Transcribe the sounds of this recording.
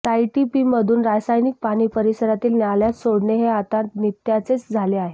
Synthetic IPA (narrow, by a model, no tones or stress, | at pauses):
t̪ajʈipiməd̪ʱuːnɾajsajnik̚paɽ̃iːpəɾisəɾat̪iːlnaljat͡s̪soɽɳeɦeat̪ãt̪nit̪jat͡set͡sd͡zʱaleaɦe